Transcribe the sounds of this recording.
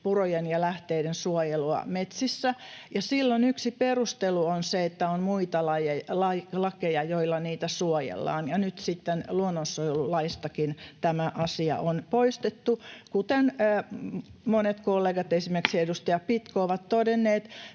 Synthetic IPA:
purojenjɑlæht̪eidensuojeluɑ̰met̪sisːæjɑsilːonyksiperust̪eluonseet̪ːæonmuit̪ɑlɑjelɑlɑkejɑjoilːɑniːt̪æsuojḛlːɑ̰ːnjɑnyt̪sit̪ːenluonːonsuojelulɑist̪ɑkint̪æmæʔɑsiɑ̰ʔonpoist̪et̪ːukut̪enː | monet̪kolːeːɡɑt̪esimerksedust̪ɑjɑpit̪kooʋɑt̪t̪odenːeːt̪

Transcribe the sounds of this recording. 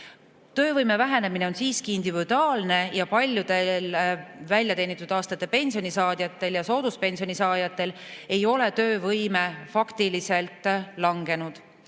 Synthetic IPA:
t̪øːvɤjme̞væɦe̞ne̞mine̞o̞nsiːskiind̪̥ivid̪̥uɑːlne̞jɑpɑlʲjud̪̥e̞lvælʲjɑt̪e̞ːnit̪ːˑud̪̥ɑːst̪ɑt̪ːe̞pe̞nʲsio̞nisɑːd̪̥jɑt̪ːˑe̞ljɑso̞ːd̪̥uspe̞nsio̞nʲisɑːd̪̥jɑt̪ːe̞l | e̞jo̞le̞t̪øːvɤjme̞fɑkt̪ilise̞lt̪ˑlɑŋɡ̥e̞nud̪̥

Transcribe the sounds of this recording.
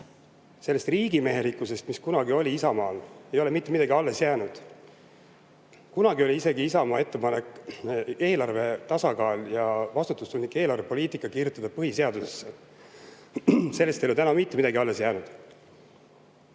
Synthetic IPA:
se̞lːe̞st̪riːɡime̞ɦe̞likːˑuse̞st̪miskunɑɡio̞lʲiisɑmɑːle̞jo̞le̞mit̪ˑːmid̪ɑɡiɑlːe̞sjæːnud̪̥ | kunɑɡio̞lʲiise̞ɡiisɑmɑːe̞t̪ːe̞pɑne̞kˑ | e̞ːlɑrve̞t̪ɑsɑkɑːljɑvɑst̪ut̪ːˑust̪unʲnikːˑe̞ːlɑrve̞po̞liːt̪ˑikːˑɑkiːrjut̪ːˑɑd̪ɑpɤhise̞ɑd̪usesːe | se̞lːest̪elot̪ænɑmit̪ːˑemid̪ɑɡiɑlːe̞sjæːnud̪̥

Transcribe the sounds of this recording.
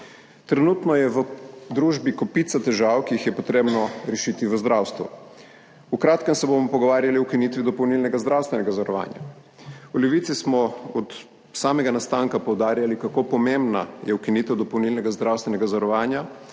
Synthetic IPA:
t̪ɾɛnuːt̪nɔjɛʋəd̪ɾuːʒbikɔpit̪sat̪ɛʒawkiixjɛpɔt̪ɾeːbnɔɾɛʃit̪iʋəzd̪ɾaːwst̪ʋṵ | ukɾaːt̪kɛmsɛbomɔpɔɡɔʋaːɾjaliwkiniːt̪ʋid̪ɔpɔwnilnɛɡazd̪ɾawst̪ʋɛnɛɡazɔɾɔʋa̰ːnja̰ | ulɛʋiːt̪sismɔɔt̪ | saːmɛɡanast̪aːŋkapɔwd̪aːɾjalikakopɔmembna̰jɛwkiniːt̪ɛwd̪ɔpɔwnilnɛɡazd̪ɾawst̪ʋɛnɛɡazɔɾɔʋaːnja

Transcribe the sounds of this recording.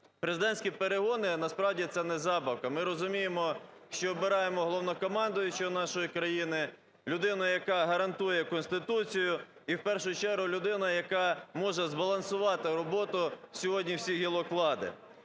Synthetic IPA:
pɾezɪd̪ɛnʲsʲkʲipeɾeɦɔnɪnɐspɾɑwdʲit̪sɛnɛzɑbɐwkɐmɪɾɔzʊmʲijemɔʃt͡ʃɔːbɪɾɑjemɔɦɔlˠɔwnɔkɔmɑnd̪ɔjʊt͡ʃɔnɑʃɔjikɾɐjinɪ | lʲʊd̪ɪnʊjɐkɑɦɐɾɐnt̪ujɛkɔnst̪ɪt̪ut͡sʲijʊ | iwpɛrʃʊjt͡ʃɛɾɦʊlʲʊd̪ɪnɐjɐkɑmɔʒɛzbɐlˠɐnsʊʋɑt̪ɪɾɔbɔt̪ʊsʲɔɦɔdʲnʲiwsʲiɦʲilˠɔklˠɑd̪ɪ̰

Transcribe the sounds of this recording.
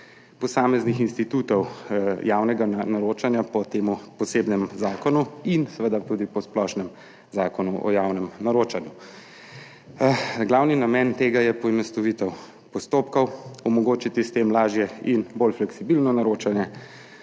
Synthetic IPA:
pɔsaːmɛznixinst̪it̪ut̪ɔwjaːwnɛɡanaɾoːt͡ʃanjapɔt̪eːmupɔseːbnɛmzaːkɔnuinsɛʋəd̪at̪uːd̪ipɔsplɔʃnɛm | zaːkɔnuʔɔ̰jaːwnɛmnaɾoːt͡ʃanju | ɡlawninamɛnt̪eːɡajɛpɔimɛst̪ɔʋit̪ɛw | pɔst̪oːpkɔwɔmɔɡoːt͡ʃit̪ist̪emlaːʒjɛinbolflɛksibilnɔnaɾoːt͡ʃanjɛ

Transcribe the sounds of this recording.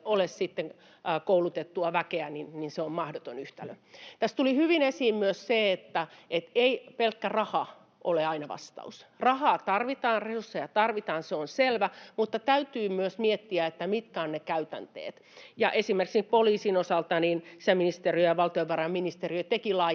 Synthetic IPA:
olessit̪ːeŋ | koulut̪et̪ːuɑʋækeæninninseommɑhdot̪onyht̪ælø̰ | t̪æst̪ulihyʋinesiːmmyøsseet̪ːæʔet̪eipelkːærɑhɑ | ʔo̰leɑinɑʋɑ̰st̪ɑ̰usrɑhɑːt̪ɑrʋit̪ɑːnresursːejɑt̪ɑrʋit̪ɑːnseonselʋæmut̪ːɑt̪æyt̪yːmyøsmiet̪ːiæet̪ːæmit̪kæːnnekæyt̪æ̰nt̪ḛːt̪ | jɑʔesimːerksikpoliːsinosɑlt̪ɑniːnsiæminist̪eriøjɑʋɑlt̪ioʋʋɑrɑmminist̪eriøt̪ekilɑ

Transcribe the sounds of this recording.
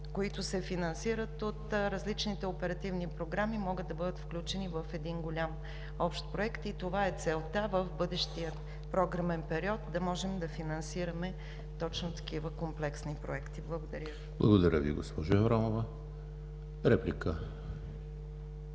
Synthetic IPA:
koit̪ʊsɛfinɐnsiɾət̪ot̪ɾɐzlit͡ʃnit̪ɛopɛɾɐt̪ivnipɾoɡɾamimɔɡəd̪ːɐbɤd̪ət̪fklʲut͡ʃɛnivɐfɛd̪inɡolʲam | ɔpʃt̪̚pɾoɛkt̪it̪ovaɛt̪sɛlˠt̪avəfbɤd̪ɛʃt̪ijə | pɾɔɡɾɐmɛnpɛɾiɔt̪̚d̪ɐmɔʒɛmd̪ɐfinɐnsiɾɐmɛ | t̪ɔt͡ʃnʊt̪ɐ̥kivəkomplɛksnipɾoɛkt̪iblˠəɡod̪ɐɾʲjəv | blˠɐ̰ɡod̪ɐɾʲʔəvḭɡo̰spɔʒoɛvɾanovɐ | ɾɛplʲikə

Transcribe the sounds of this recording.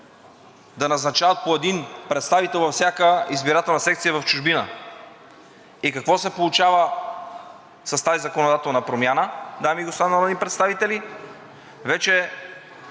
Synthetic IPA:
d̪ɐnɐznɐt͡ʃavət̪̚poɛd̪inpɾɛt̪st̪avit̪ɛlˠvɐfsʲjakəizbiɾat̪ɛlˠnɐsɛk̚t̪siəvɐft͡ʃʊʒbinə̰ | ikɐkvɔsɛpolˠut͡ʃavə | sɐst̪azizɐkonod̪at̪ɛlˠnɐpɾomʲjanəd̪amiɡost̪anəlˠɛd̪ipɾɛt̪st̪avit̪ɛli | vɛt͡ʃɛ

